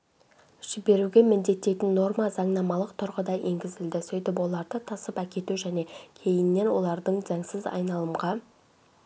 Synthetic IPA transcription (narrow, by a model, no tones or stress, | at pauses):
ʒ̥ɪbe̞ɾuɡʲe̞mɪnd̪e̞t̪ːe̞jt̪ɪnːo̞ɾmɑzɑɴnɑmɑlˠəqt̪ʰʊɾʁəd̪ɑjʔe̞ŋɡʲɪzɪld̪ɪsɵjt̪ɪpwo̞lˠɑɾd̪ət̪ʰɑsəpækʲe̞t̪uʒæne̞kʲʰe̞jɪnːe̞nwo̞lˠɑɾd̪əɴzɑɴsɪzɑ̰jnɑlˠəmʁɑ